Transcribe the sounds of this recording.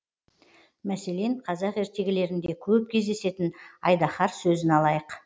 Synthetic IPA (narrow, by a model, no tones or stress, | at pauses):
mæse̞le̞ɴqʰɑzɑqe̞ɾt̪e̞ɡʲɪle̞ɾɪnd̪e̞kʲʰɵp̚kʲʰe̞zd̪e̞se̞t̪ɪnɑ̰jd̪ɑχɑɾsɵzɪnɑlˠɑjəq